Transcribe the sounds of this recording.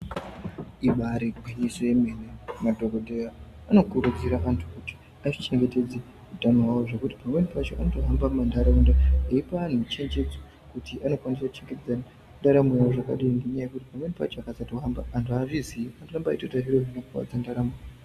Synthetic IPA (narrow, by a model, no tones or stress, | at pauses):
iɓaɾeɡʱwiɲiso̞jeme̞nemadʱoɡodʱejaː | no̞kuɾud͡ziɾaʔantʰu̥kuti̥ | aʐit͡ʃe̞ŋɡe̞te̞d͡ze | utanoɦwawoʐe̞kuti̥pamwe̞nipat͡ʃo̞ʔanotoɦambammandaɾaundaeipan̤ut͡ʃe̞ɲd͡ʒe̞d͡zo | kutiʔano̞kwanisaku̥t͡ʃe̞ŋɡe̞ted͡za | ndaɾamujawoʐaka̰ɗiŋnɡe̞ɲaje̞kutipamwe̞nepa̰t͡ʃoakasatoɦamba̰antʰuaʐiziantorambaitotaʐiɾoʐinakuwa̰d͡zandaɾamu